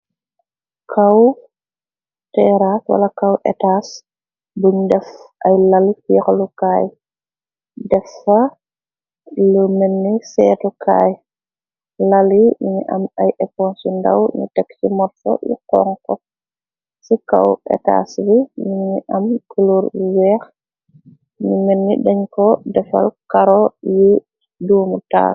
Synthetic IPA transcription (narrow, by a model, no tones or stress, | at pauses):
kʰaw | tɛɾaswɐ̰lɐkɐwʔɛ̰taːs | buɲdɛfʔɐjlalifɛxlukaːj | dɛfɐ | ləmɛnːisɛːtukʰa̰ːj | lalimiɲiʔɐmajʔɛpɔnsunda̰wɲṵtɛkt͡ʃimɔtfɔ̰jḭqɔ̰ŋkɔ | sika̰wɛ̰ka̰ːsbimiɲiʔɐmkuluɾwɛːx | numɛnːidɛɲkɔdɛfa̰lkaɾɔji | duːmuta̰ː